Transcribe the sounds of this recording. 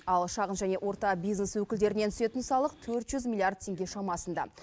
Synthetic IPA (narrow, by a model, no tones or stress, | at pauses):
ɑlˠʃɑʁənʒæne̞ʔwʔo̞ɾt̪ɑbijzneswɵkʲɪld̪e̞ɾɪnet̪ʰʏ̥se̞t̪ɪnsɑlˠəq̚t̪ʰɵɾt̪ʒ̥ʏzmʲilˠijard̪̚t̪ʰe̞ŋɡʲe̞ʃɑmɑsənd̪ɑ̰